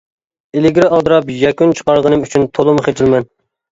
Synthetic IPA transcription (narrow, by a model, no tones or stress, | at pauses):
elɪɡʲɾɪɑlˠd̪ɨɾɑpjɛkʲynt͡ʃʰə̥qɑɾʁənɨmyt͡ʃʰynt̪ʰolˠʊmχet͡ʃ̪ʰilmɛn